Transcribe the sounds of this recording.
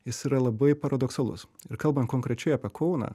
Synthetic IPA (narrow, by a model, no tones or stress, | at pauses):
jɪsiːɾɐlˠɐbɐɪpɐɾɐd̪ɔksɐlˠʊ̰sɪɾkɐlˠbɐnt̪koŋkɾʲɛt͡ʃʲɛɪɐːpʲɛkʰɔʊnɑ̰ː